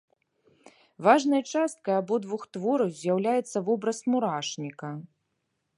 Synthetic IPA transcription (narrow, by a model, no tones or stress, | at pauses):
vaʐnɐjt͡ʂast̪̚kɐjabɔd̪vuxt̪vɔɾɐwzʲjawlʲajɛt̪sːɐvɔbɾɐsmuɾaʂnʲikɐ